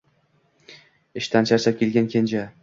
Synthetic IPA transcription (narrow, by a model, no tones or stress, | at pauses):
ɪʃt̪ʰant͡ʃʰaɾt͡ʃakʲelɡʲankʲʰend͡ʒa